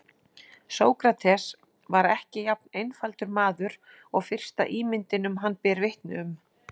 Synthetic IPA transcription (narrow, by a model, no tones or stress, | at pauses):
soːwkɾat̪ʰɛs | vaɾɛhcɪjap̚nejnfalt̪ʏɾmaːðʏɾ | ɔɣfɪr̥st̪a̰ʔiːmɪnt̪ɪnʏmɦanːpɛːɾvɪht̪nʏm